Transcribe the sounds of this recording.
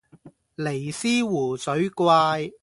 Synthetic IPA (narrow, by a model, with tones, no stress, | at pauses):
le˨˩jsiː˥wuː˨˩sɵ˨˥ɥkwaː˧j